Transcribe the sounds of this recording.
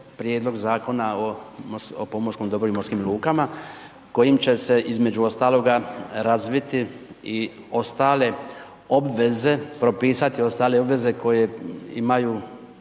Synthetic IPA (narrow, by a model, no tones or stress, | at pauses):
pɾje̞ːd̪lˠo̞ɡzaːko̞naomoso̰pomoskomd̪o̞bɾoimoskimlˠuːkama | ko̞jimt͡ɕe̞se̞ʔizme̞d͡ʑuo̞st̪aːlˠo̞ɡaɾazʋit̪ii | o̞st̪aːle̞ | o̞bʋe̞ze̞pɾo̞piːsat̪io̞st̪aːle̞o̞bʋe̞ze̞ko̞je̞ḭmaju